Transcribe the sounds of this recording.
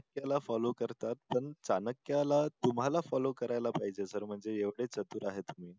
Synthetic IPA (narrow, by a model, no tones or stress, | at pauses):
əkjalafɔlokəɾt̪at̪̚pəɳt͡sanəkjalat̪um̤ɦalafɔlokəɾajlapaɦid͡ʑesəɾm̤əɳd͡zejeʋɽet͡sət̪uːɾaɦet̪um̤iː